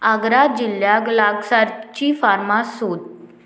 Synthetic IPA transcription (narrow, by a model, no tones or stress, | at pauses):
aɡɾad͡ʑiljaɡlaɡsaɾt͡ɕiːfaɾmasot̪